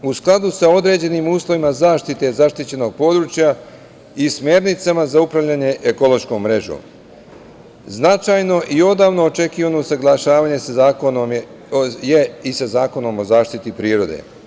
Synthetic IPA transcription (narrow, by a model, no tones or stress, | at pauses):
usklˠad̪usao̞d̪ɾe̞ːd͡ʑe̞niːmuːslˠo̞ʋimazaːʃt̪it̪e̞zaʃt̪it͡ɕe̞no̞ɡ̚po̞d̪ɾuːt͡ʃja | ismʲje̞ːɾnit̪samazaupɾavʎaːɲe̞ʔekolˠo̞ʃko̞mːɾe̞ʒo̰ːm | znat͡ʃajno̞ʔio̞d̪aːʋno̞ːt͡ʃe̞kiːʋanosaɡlˠaʃaːʋaɲe̞saakono | jeisazaːko̞no̞mo̞zaːʃt̪it̪ipɾiːɾo̞d̪ḛ